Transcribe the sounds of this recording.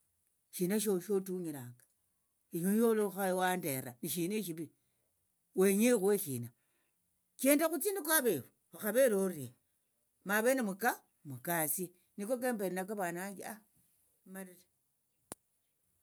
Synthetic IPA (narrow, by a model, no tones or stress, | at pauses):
ʃinaʃ̬oʃotuɲiɾaŋɡa | iɲojoloxajwandeɾaniʃineʃ̬iβi | weɲexweʃiːna | keːndaxut͡sinikwaβeβu | axaβeloɾie | maβenimuka | mukasie | nikokembeɾinakeβanaŋɡia | maɾite